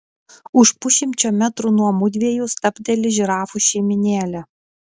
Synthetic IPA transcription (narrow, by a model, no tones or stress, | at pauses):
ʊʃpʊʃʲɪmʲt͡ʃʲoːmʲæt̪ɾunuɔmʊd̪ʲʋʲiɛjust̪ɐpʲd̪ʲɛlʲɪʒʲɾɑːfuʃʲɛɪmʲɪnʲeːlʲɛ